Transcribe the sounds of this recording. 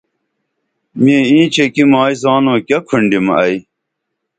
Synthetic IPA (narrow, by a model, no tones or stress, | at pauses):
miːĩːt͡ɕʰekimaːizaːnõːkɐkʰuɳɖimɐi